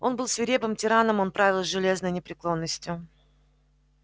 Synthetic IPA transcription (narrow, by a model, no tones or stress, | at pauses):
o̞nbɨlˠsvʲɪɾʲe̞bɨmtʲɪɾanəmonpɾavʲɪlˠsʲʐɨlʲe̞znəjnʲɪpɾʲɪklˠo̞nːəsʲtʲjʊ